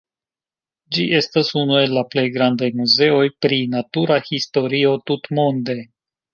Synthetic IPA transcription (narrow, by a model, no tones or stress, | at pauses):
d͡ʒiʔe̞stasunue̞lːaple̞jɡɾand̪ajmuze̞ojpɾinatuɾahisto̞ɾio̞t̪ut̪mond̪e̞